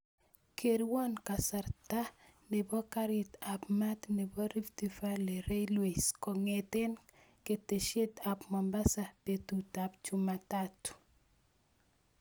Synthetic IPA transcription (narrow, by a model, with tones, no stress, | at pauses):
kʰe˨ɾwɔ˦nka˨sa˨ɾta˦nɪ˨bɔ˦ka˦ɾɪt̪a˨pma˦t̪nɪ˨bɔ˦ɾi˦ft̪ifa˦le˨ɾe˦jlwe˨skɔ˨ŋet̪e˦n | ke˨te˨ʃje˦t̪a˨pmɔ˨mba˦sa˨pet̪u˨tapt͡ʃu˦matatu̥˨